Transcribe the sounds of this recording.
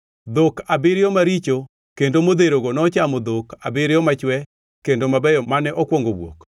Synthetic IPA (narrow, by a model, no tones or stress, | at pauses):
d̪okabɪɾɪjɔmaɾit͡ʃo | kendomod̪eɾoɡonɔt͡ʃamɔd̪okabɪɾɪjɔmat͡ʃwɛ | kendomabɛjɔmanɛʔɔkwoŋɡowwo̰k